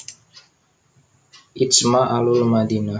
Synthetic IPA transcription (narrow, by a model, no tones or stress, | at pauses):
ʔismaʔalulmadina